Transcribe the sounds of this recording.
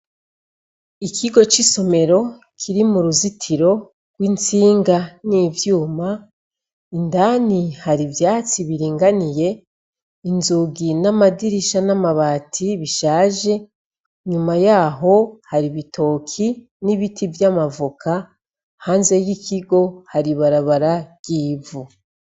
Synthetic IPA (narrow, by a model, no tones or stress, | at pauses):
ikʰiɡo̞t͡ʃiso̞me̞ɾo̞ | kʰiɾimuɾuzitʰiɾo̞ | ɡ̥wint͡siːŋɡaniːvjuːma | indaːnihaɾivjaːt͡siβiɾiːŋɡanije̞ | inzuɡinamadiɾiʃanamaβaːtʰiβiʃaːʒe̞ | ɲumajaːɦo̞haɾiβitʰo̞ːkʰi | niβitʰivjaːmavukʰa | haːnze̞jikiɡo̞haɾiβaɾaβaɾaj̥iːvu